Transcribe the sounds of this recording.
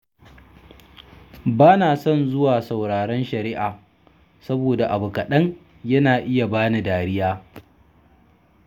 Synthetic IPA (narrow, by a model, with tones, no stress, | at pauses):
baː˦naː˨sɔ˦˨nzʊ˦waː˨sa˨wɽaː˨ɽɐ˦nʃɐ˨ɾɪ˦ʔaː˨ | sɐ˦boː˨da˨ʔa˨bʊ˨kɐ˨ɗɐ˦ŋ | jɐ˦naː˨ʔɪ˦ja˨baː˦na˨daː˨ɽɪ˦jaː˦